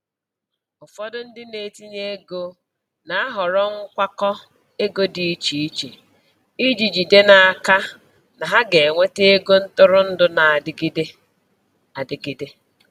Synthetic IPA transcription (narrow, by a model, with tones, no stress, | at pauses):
ʊ˨fɔ˦dʊ˦n̩˦dɪ˦ne˨ti˦ɲe˦ɡo˦ | na˨a˦ɦɔ˨ɾɔ˦ŋ̩˦kʷa˦kɔ˦ | e˦ɡo˦di˨˦i˦t͡ʃi˨i˦t͡ʃi˨ | i˦d͡ʒi˨d͡ʒi˨de˦na˨a˨ka˦ | na˨ɦa˦ɡe˨ŋʷe˦te˦e˦ɡo˦n̩˦tʊ˦ɾʊ˦n̩˦dʊ˦na˨a˨dɪ˦ɡɪ˦de˦ | a˨dɪ˨ɡɪ˦de˦